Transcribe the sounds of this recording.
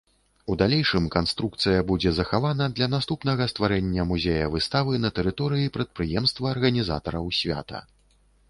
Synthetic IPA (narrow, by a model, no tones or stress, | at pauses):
ud̪alʲɛjʂɨmkanst̪ɾuk̚t̪sɨjɐbud͡zʲɛzɐxavanɐd̪lʲɐnast̪upnɐɣɐst̪vaɾɛnʲːɐmuzʲejɐvɨst̪avɨnɐt̪ɛɾɨt̪ɔɾɨjipɾɐt̪̚pɾɨjɛmst̪vɐːrɣɐnʲiza̰t̪ɐɾɐwsʲvʲa̰t̪ɐ̰